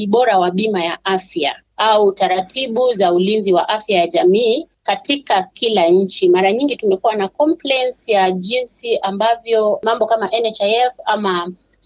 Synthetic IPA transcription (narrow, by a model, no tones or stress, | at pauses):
iɓɔɾawaɓimajaʔafja̰ | autaɾatʰiɓuzaulinziwaʔafjajaʄamiː | katikakilaɲ̩t͡ʃimaɾaɲiŋɡitumɛkuwanakɔmplɛɛnsijaʄinsiʔambavjɔmambɔkamaʔɛnɛt͡ʃaɛfama